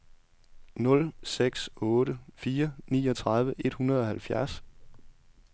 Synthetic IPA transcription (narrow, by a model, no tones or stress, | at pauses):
nɔ̽lseɡ̥sɔ̽ːɾəfiːɐnḭːɒ̽t͡sʰʁɑ̈ð̞ˠʋəʔe̝d̥hunɐð̞ˠɒ̽hælfjæɐs